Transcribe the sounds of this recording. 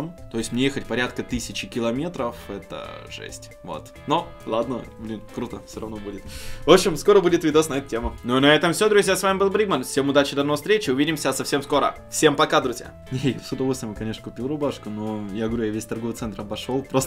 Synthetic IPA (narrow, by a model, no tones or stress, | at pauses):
mt̪o̞jɪsʲmnʲejexətʲpɐɾʲat̪kət̪ɨsʲɪt͡ɕɪkʲɪlˠɐmʲe̞t̪ɾəfɛt̪ə̰ʐɛ̰sʲtʲ | vo̰t̪ | no | lˠad̪nəblʲinkɾut̪əfsʲoɾɐvnobudʲɪt̪vo̞pɕːɪmsko̞ɾəbudʲɪt̪vʲɪd̪osnɐɛt̪tʲemʊnonɐɛt̪əmfsʲod̪ɾʊzʲjasvamʲɪbɨlˠbɾʲiɡmənfsʲemʊd̪at͡ɕɪd̪ɐnofst̪ɾʲet͡ɕɪʊvʲidʲɪmsʲəsɐfsʲe̞msko̞ɾə̰ | fsʲe̞mpɐkad̪ɾʊzʲja̰ | nʲejafsʲʊd̪ɐvosʲəmɨkɐnʲeʂnəkʊpʲilˠrʊbaʂkʊnojaɡəʋvɐɾʲujavʲesʲt̪ɐrɡovət̪ɛnt̪rɐbɐʂolˠpɾost̪